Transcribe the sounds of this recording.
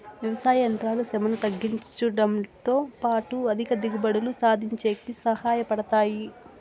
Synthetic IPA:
ʋjɐʋɐsaːjɐnt̪ɾaːlusɛmɐnut̪ɐɡːiɲt͡ʃuɖɐmt̪oːpaːʈuɐd̪ʱikɐd̪iɡubɐɽulusaːd̪ʱiɲt͡ʃeːkisɐhaːjɐpɐɽɐt̪aːji

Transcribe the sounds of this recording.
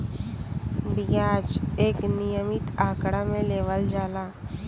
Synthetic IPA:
bijaːd͡ʒeːknijəmɪt̪aːkɽamẽleːʋəld͡ʒaːlaː

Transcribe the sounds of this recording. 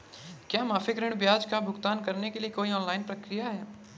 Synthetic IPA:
kjaːmaːfʰɪkɾɪ̃ɽ̃bjaːd͡ʒkabʱʊɡt̪aːnkɐɾnekeliekoːiɔːnlaːɪnpɾɐkɾɪjaɦɛː

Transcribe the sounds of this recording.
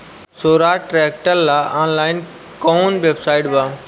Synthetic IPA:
soːɾaːʈɾɛːk̚ʈəlːaːʔãːnlaːɪn | kõnʋebsaːɪʈbaː

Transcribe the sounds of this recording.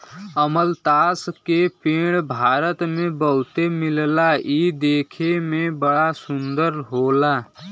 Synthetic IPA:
əməlt̪aːskepeɽ̃bʱaːɾət̪mebəɦʊt̪emillaid̪ekʰemebəɽasund̪əɾɦola

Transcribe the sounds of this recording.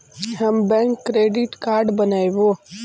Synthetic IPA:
ɦəmbɛ̃ːŋkːɾeːɖɪʈkaːɾɖbənaːiʋoː

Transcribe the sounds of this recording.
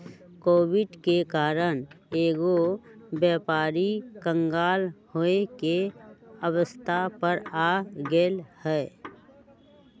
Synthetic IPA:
koːwɪɖkekaːɾəneːɡobjɛːpaːɾikə̃ŋɡaːlhoekeəwəst̪ʰapəɾaːɡeːlhɛː

